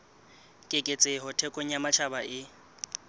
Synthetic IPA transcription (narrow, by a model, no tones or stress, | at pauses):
kʼɪkʼet͡sʼɪɦɔtʰɛkʼoɲ̩amat͡ʃʰabaʔɪ